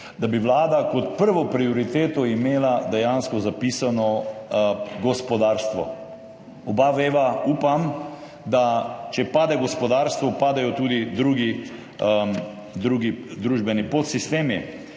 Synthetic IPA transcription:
d̪abiʋlaːd̪akɔt̪̚pəɾʋɔpɾioɾit̪eːt̪ɔimeːlad̪ɛjanskɔzapiːsanɔ | ɡɔspɔd̪aːɾst̪ʋɔ̰ | ɔbaʋeːʋauːpam | d̪at͡ʃɛpaːd̪ɛɡɔspɔd̪aːɾst̪ʋɔpaːd̪ajɔt̪uːd̪id̪ɾuːɡi | d̪ɾuːɡid̪ɾuːʒbɛnipot̪sist̪eːmi

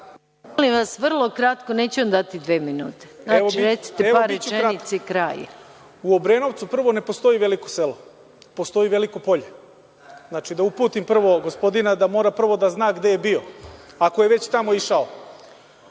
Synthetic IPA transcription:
molimʋasʋr̩lˠo̞kɾat̪koneːt͡ɕuamd̪at̪id̪ʋeːminṵːt̪eznaiɾet̪si̥t̪eaɾet͡ʃt͡ʃeit̪sekɾa̰ːjḛ | uobɾeːno̞ʋt̪supr̩ʋo̞ne̞post̪o̞iʋe̞liko̥selo | po̞st̪o̞iʋe̞likopo̞ʎe | znat͡ʃid̪aupuːt̪impr̩ʋo̞ɡospo̞d̪inad̪amo̞ːɾapr̩ʋo̞d̪aznaːɡd̪e̞jebio̞ako̞jeʋe̞t͡ɕt̪amo̞iʃao

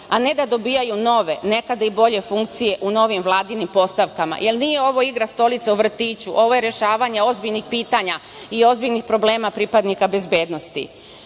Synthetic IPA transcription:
ane̞d̪ad̪o̞biːjajuno̞ʋe̞ne̞kad̪aibo̞ʎe̞fuŋk̚t̪sije̞ʔuno̞ʋimʋlˠaːd̪inimpo̞st̪aʋkama̰jʔe̞lniːjeo̞ʋo̞iɡɾast̪o̞lit̪seuʋr̩t̪iːt͡ɕuʔo̞ʋo̞jeɾje̞ʃaːʋaɲeo̞zbiʎnixpiːt̪aɲa | io̞zbiʎnixpɾo̞ble̞ːmapɾipad̪nikabe̞zbje̞ːd̪no̞st̪ḭ

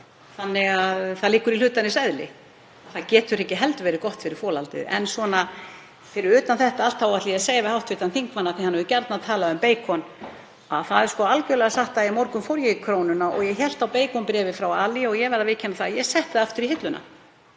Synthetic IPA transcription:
θanːɪɣaðθaðliːkʏɾil̥ʏːt̪anɪsɛðlɪ̰ | aθaðcɛːt̪ʏɾɛhcɪɦɛlt̪ʏvɛːɾɪkɔht̪fɪɾɪɾ̥fɔːlalt̪ɪ̰ðɛ̰nsvɔna | fɪɾɪɾʏːt̪anθɛht̪aal̥t̪hawvaht̪liaseːjavɪhawht̪vɪːt̪anθiŋkmanːat̪θɪhanːɛðʏcɛɾt̪naðt̪ʰaːlaʏmpeːjkʰɔn | aðθaðɛɾ̥skɔalcœlɛɣasaht̪aimɔɾkʏmfɔɾjɪikʰɾoːwnʏnaʔɔ̰ɣjɛçɛl̥t̪awpeːjkʰɔwnpɾɛːvɪfɾawaːliɔɣjɛɣvɛɾðavɪːcʰɪɛnːaθajɛsɛht̪ːaðaft̪ʏɾiɦɪt̪lʏnʔa̰

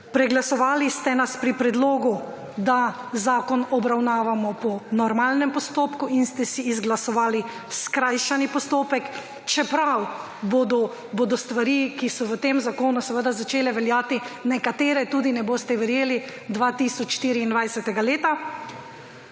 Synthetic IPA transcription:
pɾɛɡlasɔʋaːlist̪ɛnaspɾipɾɛd̪loːɡu | d̪a | zaːkɔnɔbɾawnaːʋamɔpɔnɔɾmalnɛmpɔst̪oːpkuinst̪ɛsiːzɡlasɔʋaːli | skɾajʃanipɔst̪oːpɛk | t͡ʃɛpɾaw | bod̪ɔ | boːd̪ɔst̪ʋaɾiːkisɔʋət̪eːmzakoːnusɛʋəd̪azat͡ʃeːlɛʋɛljaːt̪inɛkat̪eːɾɛt̪uːd̪inɛboːst̪ɛʋɛɾjeːlid̪ʋat̪iːsɔt͡ʃʃt̪iːɾiːnd̪ʋajsɛt̪ɛɡaleːt̪a

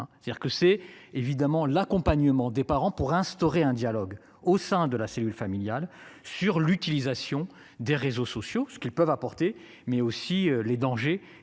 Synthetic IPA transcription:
ɛst̪ad̪iʁkəsɛevid̪amɑ̃lakɔ̃paɲəmɑ̃d̪epaʁɑ̃puʁɛ̃st̪ɔʁeɛ̃d̪jalɔɡ | osɛ̃d̪əlaselylfamiljalsyʁlyt̪ilizasjɔ̃ | d̪eʁezosɔsjosə̥kʲilpœvapɔʁt̪e | mɛosiøled̪ɑ̃ʒe

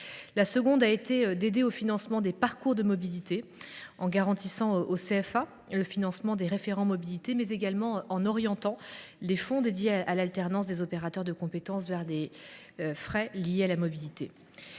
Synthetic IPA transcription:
lasəɡɔ̃d̪aet̪eød̪ed̪eofinɑ̃smɑ̃d̪epaʁkuʁd̪əmɔbilit̪eɑ̃ɡaʁɑ̃t̪isɑ̃ʔoseɛfa | ləfinɑ̃smɑ̃d̪eʁefeʁɑ̃mɔbilit̪emɛzeɡalmɑ̃ɑ̃nɔʁjɑ̃t̪ɑ̃lefɔ̃d̪ed̪jeaalalt̪ɛʁnɑ̃s̬d̪ezɔpeʁat̪œʁd̪əkɔ̃pet̪ɑ̃svɛʁd̪e | øfχɛlijealamɔbilit̪e

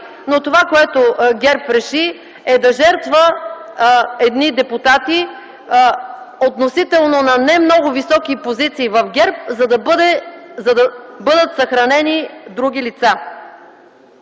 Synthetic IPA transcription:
not̪ovakoɛt̪oɡʲɛɾpɾɛʃi | ɛd̪ɐʒɛɾt̪və | ɛd̪nid̪ɛput̪at̪i | ot̪nosit̪ɛlˠnonɐnɛmnɔɡʊvisɔkipozit̪siːvɐfɡʲɛɾp̚zɐd̪ɐbd̪ɛzɐd̪ɐbɤd̪ət̪sɐxɾɐnɛnid̪ɾuɡʲilit̪sa

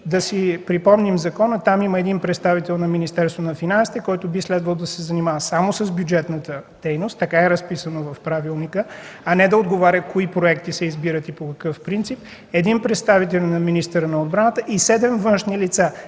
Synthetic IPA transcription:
d̪ɐsipɾipɔmnimzɐkɔnət̪amiməɛd̪inpɾɛt̪st̪avit̪ɛlˠnɐminist̪ɛɾst̪vonɐfinansi̥t̪ɛkɔjt̪ʊbislɛd̪vəlˠd̪ɐsɛzɐnimavəsamosəzbʲjud͡ʒɛt̪nət̪əd̪̥ɛjnost̪ːɐkaɛɾəspisənovɐfpɾavilˠnikəɐnɛd̪ɐod̪ɡovaɾʲəkoipɾoɛkt̪isɛizbiɾət̪ipokɐkɤfpɾint̪sip | ɛd̪inpɾɛt̪st̪avit̪ɛlʲnɐminist̪əɾənɐod̪̚bɾanət̪əʔisɛd̪ɛmvɤnʃnilit̪sa

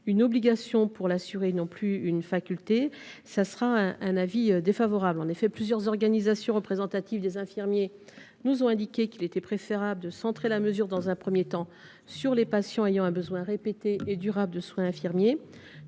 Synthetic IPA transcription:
ynɔbliɡasjɔ̃puʁlasyʁenɔ̃plyynfakʲylt̪esasəʁaɛ̃ʔɛ̃naviød̪efavɔʁablɑ̃nefɛplyzjœʁzɔʁɡanizasjɔ̃ʁəpχezɑ̃t̪at̪ivd̪ezɛ̃fiʁmje | nuzɔ̃ɛ̃d̪ikʲekilet̪ɛpχefeʁabləd̪əsɑ̃t̪χelaməzyʁd̪ɑ̃zɛ̃pχəmjet̪ɑ̃ | syʁlepasjɑ̃ejɑ̃ɛ̃bəzwɛ̃ʁepet̪eʔed̪yʁabld̪əswɛ̃ɛ̃fiʁmje

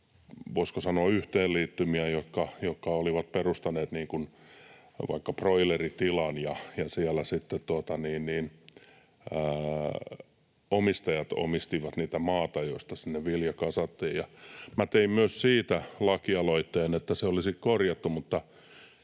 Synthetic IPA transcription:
ʋoiskosɑnoɑyht̪eːliːt̪ːymiæjot̪kɑjotkɑoliʋɑt̪̚perust̪ɑneːt̪niːŋkun | ʋɑ̰ikːɑproilerit̪ilɑnjɑjɑsiælæsit̪ːet̪t̪uot̪ɑniːnniːn | əː | omist̪ɑjɑt̪o̰mist̪iʋɑt̪niːt̪æmɑːt̪ɑjost̪ɑsinːeʋʋiljɑkɑsɑt̪ːiːjjɑmæt̪eimmyøssiːt̪ælɑkiɑloit̪ːeːnet̪ːæseolisikkorjɑt̪ːumut̪ːɑ

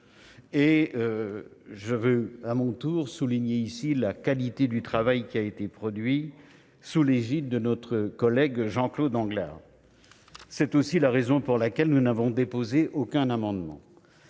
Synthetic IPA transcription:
eø | ʒəvøamɔ̃t̪uʁsuliɲeisilakalit̪ed̪yt̪χavajkʲiaet̪epχɔd̪ɥi | suleʒit̪̚d̪ənɔt̪χəkɔlɛɡʒɑ̃klod̪ɑ̃ɡla̰ːʁ | sɛt̪osilaʁezɔ̃puʁlakʲɛlnunavɔ̃d̪epozeʔokʲɛ̃namɑ̃d̪mɑ̰̃

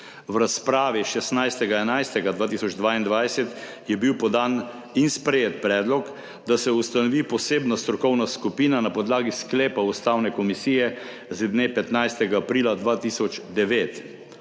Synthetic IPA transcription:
wɾaspɾaːʋiʃɛsnajst̪ɛɡaɛnajst̪ɛɡad̪ʋaːt̪isɔd͡ʒd̪ʋaːind̪ʋajsɛt̪ | jɛbiwpɔd̪an | inspɾɛjet̪̚pɾɛːd̪lɔk | d̪asɛust̪anɔʋipɔseːbnast̪ɾɔkɔwnaskupiːnanapɔd̪laːɡiskleːpaust̪awnɛkɔmisiːjɛ | zid̪nepɛt̪najst̪ɛɡaːpɾiːlad̪ʋaːt̪isɔt͡ʃd̪ɛʋet̪

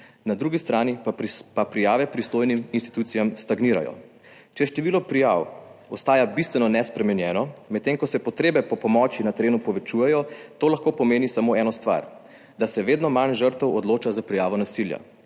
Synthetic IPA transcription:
nad̪ɾuːɡist̪ɾaːnipapɾijaːʋɛpɾist̪oːjniminst̪i̥t̪ut̪sijamst̪aɡniːɾa̰jɔ̰ | t͡ʃɛʃt̪ɛʋiːlɔpɾijawɔst̪aːjabist̪ʋɛnɔnɛspɾɛmɛnjɛːnɔmɛt̪ːeːŋkɔsɛpɔt̪ɾeːbɛpɔpɔmɔt͡ʃinat̪ɛɾeːnupɔʋɛt͡ʃujɛjɔt̪oːlaxkoːpɔmeːnisamoːɛːnɔst̪ʋa̰ɾ | d̪asɛʋeːd̪nɔmanʒəɾt̪əwɔd̪loːt͡ʃazapɾijaːʋɔnasilja̰

